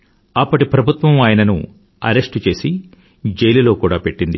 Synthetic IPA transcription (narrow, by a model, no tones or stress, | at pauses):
ɐpːɐʈipɾɐbʱut̪ʋɐmaːjɐnɐnṵ | ɐ̰ɾe̞ʂʈt͡ʃe̞ːsi | d͡ʒejlilo̞ːkuːɽaːpe̞ʈːind̪ḭ